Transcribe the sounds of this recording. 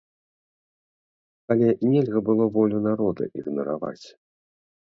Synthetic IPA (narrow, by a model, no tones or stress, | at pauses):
alʲɛnʲɛlʲɣɐbɨlˠɔvɔlʲunaɾɔd̪ɐ̰ʔiɣnɐɾa̰va̰t͡sʲ